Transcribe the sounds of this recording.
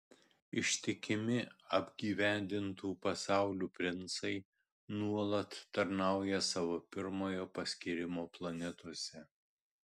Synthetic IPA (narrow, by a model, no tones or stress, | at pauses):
ɪʃʲt̪ʲɪkʲɪmʲɪɐbʲɡʲiːʋʲæˑnʲd̪ʲɪnt̪uːpɐsɑˑʊlʲuːpʲɾʲɪnˑsɐɪ | nuɔlˠɐt̪ːɐɾnɑˑʊjɛsɑʋoːpʲɪɾmoːjoːpɐsʲkʲiɾʲɪmoːplˠɐnʲɛt̪uɔsʲɛ